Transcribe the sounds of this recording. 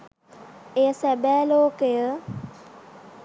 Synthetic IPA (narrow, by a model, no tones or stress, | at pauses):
ejəsɛbɛːloːkejə